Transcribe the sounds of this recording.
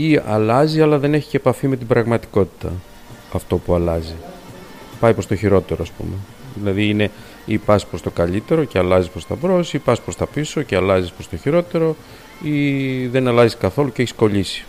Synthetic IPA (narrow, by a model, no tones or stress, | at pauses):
iɐlɐziɐlɐðe̞ne̞çi̥ceepɐfime̞t̪ibɾɐɣmɐt̪i̥ko̞t̪i̥t̪ɐ | ɐft̪o̞puɐlɐzi | pɐjpɾo̞st̪oçiɾo̞t̪e̞ɾoɐspṵme | ðilɐðiine̞ | ipɐspɾo̞st̪o̞kɐʎit̪e̞ɾo̞ceɐlɐzispɾo̞st̪ɐbɾo̞siipɐspɾo̞st̪ɐpiso̞ceɐlɐzispɾo̞st̪o̞çiɾo̞t̪e̞ɾo̞ | iðe̞nɐlɐziskɐθo̞luceeçi̥sko̞ʎisi̥